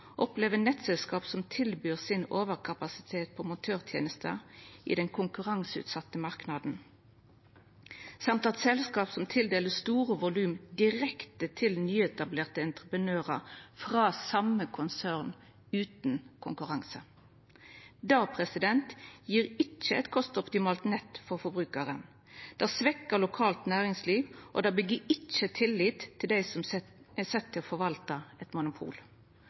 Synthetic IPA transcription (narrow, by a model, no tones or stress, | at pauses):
ʔɔpleːʋənɛt̪sɛlskɑːpsɔmt̪ʰɪlbyːʁsɪnoːʋəʁkʰɑpɑsɪ̥t̪ʰeːt̪̚pʰɔmʊt̪ʰøːʁt̪ʰjḛːnəst̪ʰə̰ḭːd̪ɛŋkʰʊŋkʉʁɑŋsʉ̰ːt̪sɑt̪ːəmɑʁknɑd̪n̩ | sɑmt̪ɑt̪sɛlskɑːpsɔmt̪ʰɪld̪eːləsst̪uːʁəʋʊlʉːmd̪ɪʁɛkt̪ət̪ʰɪlnyːɛt̪ɑbleːʁt̪əɛnt̪ʁəpənøːʁə̰ʁfʁɑːsɑməkʰʊnsæʁn | ʉːt̪nkʰʊŋkʉʁɑŋsə | d̪ɑːpʰʁɛsɪd̪ɛnt̪jiːʁɪt͡ʃːəɛt̪kʰɔst̪ɔpt̪ɪmɑːlt̪nɛt̪ːfɔʁfɔbʁʉːkəʁən | d̪̥æːsʋɛkːəʁlʊkʰɑːlt̪næːʁɪŋsliːʋʔo̰d̪æbəɡiːɪt͡ʃːət̪ʰɪlːiːt̪ʰːɪld̪æɪsɔmɛsɛt̪ʰːɪlfɔʋɑlt̪ɑɛt̪mʊnʊpʰṵːl